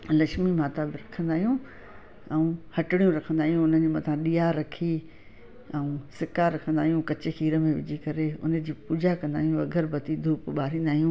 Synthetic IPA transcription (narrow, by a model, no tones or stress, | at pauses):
lɐʃmimaːt̪abɪɾɐkʰə̃nd̪aːɦijũ | ɛ̃ũhɐʈɪɽijũɾɐkʰə̃nd̪aːɦijũʊn̤əd͡ʑemɐt̪ʰãɗijaɾɐkʰi | ɛ̃ũsɪkaɾɐkʰə̃nd̪aːɦijũkɐt͡ɕɪxiːɾə̆mẽʋɪ̰d͡ʑʱikɐɾeʊ̰nə̆d͡ʑiːpuːd͡ʑakɐ̃nd̪a̰ːɦijũɐɡʱəɾbɐt̪id̪ʱuːpɓaːɾĩːnd̪aːɦijũː